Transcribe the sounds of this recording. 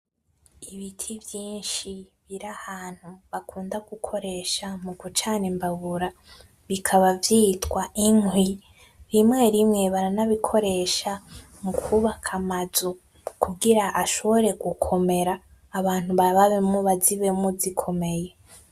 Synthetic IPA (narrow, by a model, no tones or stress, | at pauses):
iβitʰivjiːnʃiβiɾahaːn̥huβakʰuːndaɡukʰo̞ɾe̞ːʃamuɡut͡ʃaːnembaɡuɾa | βikʰaβavjiːtwaʔiŋhwi | ɾimŋe̞ɾimŋe̞βaɾanaβikʰo̞ɾe̞ːʃa | mukʰuβakʰamazu | kuɡiɾaʔaʃo̞βo̞ɾe̞ɡukʰo̞me̞ɾaː | βaːn̥huβaβaβemuβaziβe̞muzikʰo̞me̞je